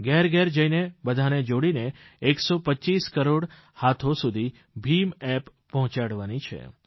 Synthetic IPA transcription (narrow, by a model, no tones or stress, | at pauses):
ɡɛɾɡɛɾd͡ʒəjinebəd̪ʱaned͡ʒoɽine | eksopətːʃiskəɾoɽ | hat̪ʰosud̪ʱi | bʱimɛpːɔɦʊ̃t͡ʃaɽʋanit͡ʃʰḛ